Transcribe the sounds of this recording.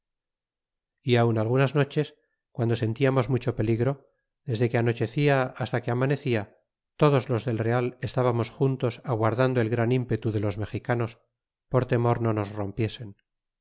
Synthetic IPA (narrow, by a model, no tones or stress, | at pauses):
iawnalɣunazno̞t͡ʃe̞s | kwand̪ose̞nt̪iamo̞zmut͡ʃo̞pe̞liɣɾo̞ | ðe̞zðe̞keano̞t͡ʃe̞θiaast̪akeamane̞θia | t̪o̞ð̞o̞zlo̞zðe̞lre̞ale̞st̪aβamo̞sxunt̪o̞saɣwaɾðand̪oe̞lɣɾanimpe̞t̪uðe̞lo̞zme̞xikano̞s | po̞ɾt̪e̞mo̞ɾno̞no̞zro̞mpje̞se̞n